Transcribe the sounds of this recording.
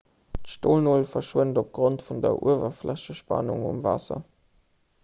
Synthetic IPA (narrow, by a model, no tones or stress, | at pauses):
tʃtoːlnoːlfɐʃwəndop̚ɡ̥ʁontfundɐ̰ʔṵəvɐflæɕəʃpɑ̰nuŋṵmvɑ̰sɐ̰